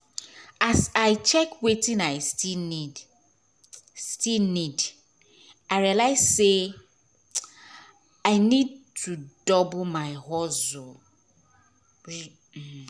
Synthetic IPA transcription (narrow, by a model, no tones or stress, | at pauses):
asaɪt͡ʃɛkwetĩnaɪstʰilnid | stilnid | aɪɹialaɪzse | aɪnid̚tʰudɔbmaɪhɔzo | ɹi | h̩